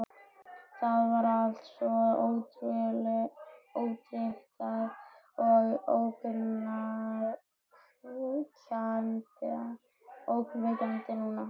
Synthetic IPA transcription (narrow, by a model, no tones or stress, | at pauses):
θaðvaɾalt̪sɔoːwt̪vɛlɪoːwt̪jeht̪aɣ | ɔɣowkʏna | tant̪ɪa | owkʏnvejt̪anɛt̪ɪnːuːna